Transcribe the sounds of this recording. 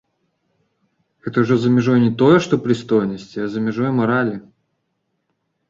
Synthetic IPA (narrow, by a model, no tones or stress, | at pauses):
ɣɛt̪əʊʐɛzɐmʲɪʐɔjnʲɪt̪ojɛʂt̪ɔpɾʲɪst̪ojnəsʲtʲɪɐzɐmʲɪʐɔjɛmɐɾalʲɪ